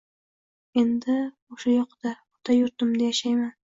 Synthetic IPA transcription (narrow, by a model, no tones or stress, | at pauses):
e̞nd̪ɪ | oʃajɒqd̪̥a | ot̪ʰajʊɾt̪ɪmd̪ajaʃajman